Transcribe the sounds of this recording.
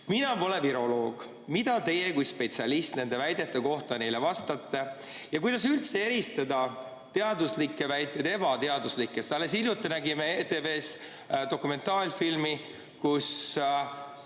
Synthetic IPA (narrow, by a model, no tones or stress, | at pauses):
minɑpo̞le̞viɾo̞lo̞ːɡ̥ | mid̪̥ɑt̪e̞jekujspe̞t̪siɑlist̪ne̞nd̪̥e̞væjd̪e̞t̪ˑːeko̞ht̪ɑne̞jlevɑst̪ɑt̪ːe̞ | jɑkujd̪̥ɑs̬ylt̪see̞ɾist̪ɑd̪ɑ | t̪e̞ɑd̪uslikːˑe̞væjt̪ːˑed̪e̞bɑt̪e̞ɑd̪uslikːˑesɑlːesilʲjut̪ːˑenæɡimeet̪ːe̞ve̞ːs | d̪̥o̞kume̞nt̪ːˑɑːlʲfilmi | kus